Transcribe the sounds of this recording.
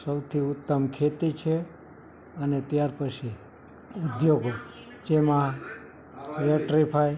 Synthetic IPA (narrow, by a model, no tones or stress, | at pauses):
səwt̪ʰiʊt̪ːəmkʰet̪it͡ʃʰe | ənet̪jaɾpət͡ʃʰi | ʊd̪joɡo | d͡ʒemã | ʋeʈɾipʰaj